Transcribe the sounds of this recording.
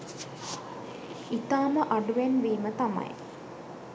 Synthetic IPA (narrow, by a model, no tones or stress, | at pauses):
it̪aːməʔaɖuʋenʋiːmət̪ama̰j